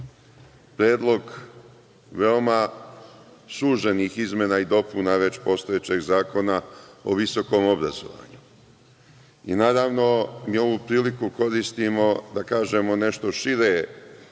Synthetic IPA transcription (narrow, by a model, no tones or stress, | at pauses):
pɾe̞ːd̪lˠo̞ɡ | ʋe̞o̞ma | suːʒeniːxizme̞naid̪o̞punaʋe̞t͡ɕpo̞ːst̪ojet͡ɕe̞ɡzaːko̞nao̰ʋiso̞ko̞mo̞bɾazo̞̰ʋa̰ːɲu | ḭnaːɾaʋno̞miːo̞ʋupɾiːlikuko̞ɾist̪imo̞d̪akaːʒe̞mo̞ne̞ʃt̪o̞ʃiɾe